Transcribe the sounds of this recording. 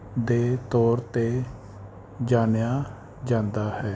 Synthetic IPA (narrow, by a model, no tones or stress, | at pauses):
d̪eːt̪ɔːɾt̪eː | d͡ʒaːnjaː | d͡ʒãːnd̪aːhɛː